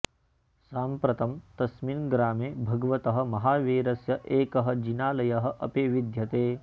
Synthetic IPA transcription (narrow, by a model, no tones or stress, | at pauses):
saːmpɾɐt̪ɐmt̪ɐsminɡɾaːmeːbʱɐɡɐʋɐt̪ɐɦɐ̆mɐɦaːʋeːɾɐsjɐʔeːkɐɦɐ̆d͡ʒinaːlɐjɐɦɐ̆ʔɐ̰peːʋid̪ʱjɐt̪eː